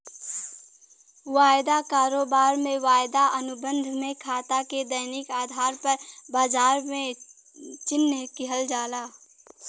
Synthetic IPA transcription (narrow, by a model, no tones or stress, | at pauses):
waːjd̪akaːɾoːbaːɾmẽwaːjd̪aʔənʊbə̃nd̪ʱmẽkʰaːt̪aked̪əjnɪkaːd̪ʱaːɾpəɾbaːd͡ʒaːɾmẽ | t͡ʃɪnːəkɪɦəld͡ʒaːlaː